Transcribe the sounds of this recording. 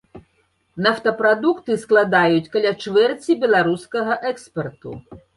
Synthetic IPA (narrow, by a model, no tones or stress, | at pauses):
nawt̪ɐpɾad̪ukt̪ɨsklˠad̪ajut͡sʲkɐlʲat͡ʂvɛrt͡sʲibʲɛlˠaɾuskɐɣɐʔɛkspɛrt̪ṵ